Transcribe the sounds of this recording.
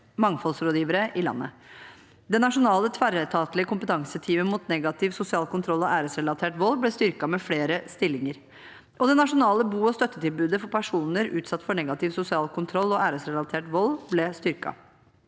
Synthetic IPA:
mɑŋːfɔlsɾoːd̪jiːʋəɾəʔɪlɑ̰nːə̰ | d̪ɛnɑʂʊnɑːlət̪ʰʋæɾət̪ʰɑːt̪lɪəkʰʊmpət̪ʰɑŋsət̪ʰiːməmuːt̪nɛɡɑt̪ʰɪʋsʊsɪɑːlkʊnt̪ʰɾɔlːɔʔæːɾəsɾɛlɑt̪ʰeːʈʋɔlːblɛst̪ʏɾkɑmɛfleːɾəst̪ɪlːɪŋəɾ | ʔɔd̪ɛnɑʂʊnɑːləbuːɔst̪œt̪ːət̪ɪlbʉːd̪əfɔɾpʰæʂuːnəɾʉ̰ːt̪sɑt̪ːfɔɳɛɡɑt̪ɪʋsʊsɪɑːlkʰʊnt̪ʰɾɔlːɔæːɾəsɾɛlɑt̪ʰeːʈʋɔlblɛst̪ʏɾkɑ̰

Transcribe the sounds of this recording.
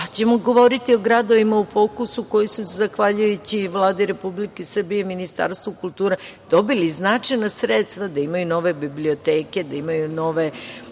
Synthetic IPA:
t͡ɕe̞moɡo̞ʋo̞ɾit̪io̞ɡɾad̪o̞ʋimaufo̞ːkusuko̞jisuzaxʋaʎujut͡ɕiʋlˠaːd̪iɾe̞publikesr̩bijeminist̪a̰ːɾst̪ʋukulˠt̪uːɾed̪̥o̞biliznat͡ʂajnasɾet̪st̪ʋad̪aimajuno̞ʋe̞biblio̞t̪eːke̞d̪aimajuno̞ʋe̞

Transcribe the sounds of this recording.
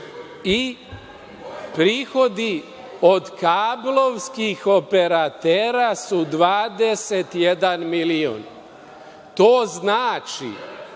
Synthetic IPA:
i | pɾiːxo̞d̪i | od̪kaːbloʋskixo̞pe̞ɾat̪eːɾasud̪ʋaːd̪eset̪jed̪anmilio̰ːn | t̪oːznaːt͡ʃḭ

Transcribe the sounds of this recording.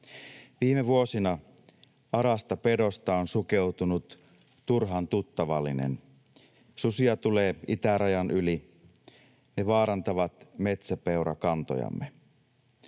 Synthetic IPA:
ʋiːmeʋuo̞sinɑ | ɑɾɑst̪ɑpe̞do̞st̪ɑonsuke̞wt̪unut̪ | turɦɑnt̪ut̪ːɑʋɑlːinḛn | susiɑt̪ule̞ːit̪æɾɑjɑnʔyli | ne̞ʋɑːɾɑnt̪ɑʋɑt̪me̞t̪sæpeuɾɑ̰kɑnt̪o̰jɑ̰mːe

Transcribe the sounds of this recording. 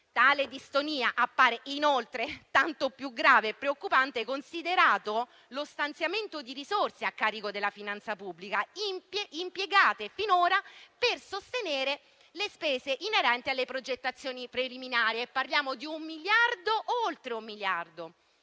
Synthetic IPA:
t̪aːled̪ist̪oniːaʔapːaːɾeʔinolt̪ɾet̪ant̪opjuɡɾaːveːpːɾeokːupant̪ekonsid̪eɾaːt̪o | lost̪ant̪sjament̪od̪iɾizorseakːaːɾikod̪elːafinant̪sapubːlikaimimpjeɡaːt̪efinoːɾapersost̪eneːɾe | lespeːzeʔinːeɾɛnt̪ialːepɾod͡ʒet̪ːat̪sːjoːnipɾeliminaːɾieːpːarljaːmod̪iumːiljard̪oʔolt̪ɾeumːiljard̪o

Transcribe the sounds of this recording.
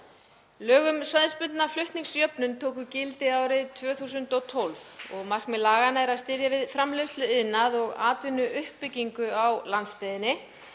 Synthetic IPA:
lœːɣʏmsvaðspʏt̪naflʏht̪niŋsjœpnʏnt̪ʰoːwk̬ʏcɪlt̪ɪaːwɾɪðt̪ʰvœːθuːsʏnt̪ɔt̪ʰolvɔɣmar̥kmɛðlaːɣanaɛɾaðst̪ɪɾjavɪðfɾamlʏst̪lʏɪðnːaðɔɣa̰ːt̪vɪnːʏʔʏhpːɪcːiŋkʏawlant̪spɪðɪnːɪ

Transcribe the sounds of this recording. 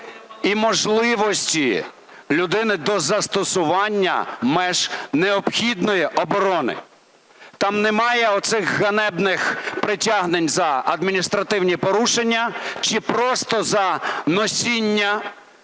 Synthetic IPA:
imɔʒlˠɪʋɔsʲtʲi | lʲʊd̪ɪnɪd̪ɔzɐst̪ɔsʊʋɑnʲːɐ̰mɛʒneɔpxʲid̪nɔjiʔɔbɔɾɔnɪ̰ | t̪ɑmnɛmɑjɛɔt̪sɪxːɐnɛbnɪxpɾɪtʲaɦnenʲzɐɐd̪mʲinʲist̪ɾɐt̪ɪwnʲipɔɾuʃenʲːɐt͡ʃɪpɾɔst̪ɔzɐnɔsʲinʲːɐ

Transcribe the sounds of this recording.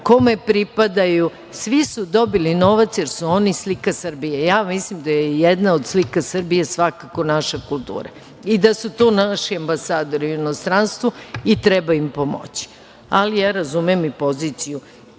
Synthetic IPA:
ko̞me̞pɾipad̪aju | sʋisud̪o̞bilino̞ʋat̪sjeɾsuo̞nislikasɨr̩bijejaːmislimd̪ajejed̪naod̪slikasr̩bijesʋakako̞naʃakulˠt̪ṵːɾa | id̪asut̪o̞ːnaʃiambasaːd̪o̞ɾiuino̞st̪ɾanst̪ʋuit̪ɾɛbaimpo̞mo̰t͡ɕi̥ | alijaːɾazumimipo̞zit̪siju

